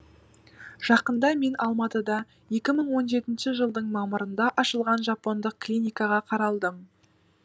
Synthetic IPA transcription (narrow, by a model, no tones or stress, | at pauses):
ʒ̥ɑqənd̪ɑme̞nɑlˠmɑt̪əd̪ɑ | je̞kʲɪməɴwo̞nʒe̞t̪ɪnʃɪʒəlˠd̪əɴmɑməɾənd̪ɑʔɑʃəlˠʁɑnʒɑpːo̞nd̪əq̚klʲijnʲijkɑʁɑqʰɑɾɑlˠd̪əm